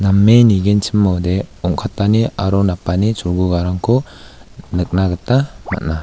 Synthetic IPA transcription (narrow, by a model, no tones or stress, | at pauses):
namːeniɡent͡ʃʰimːawdeɔŋkʰatːania̰ɾɔnapːanit͡ʃʰuɾɡuɡaɾaŋkʰu | nɯk̚naɡɯtama̰t̚na